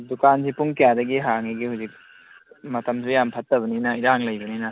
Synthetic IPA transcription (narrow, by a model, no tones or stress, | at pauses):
dukansipuŋkejadɐɡiɦaŋiɡihuzik̚ | mɐtʰɐmsʰujampʰɐtːɐbɐninɐiɾaŋlɐjbɐninɐ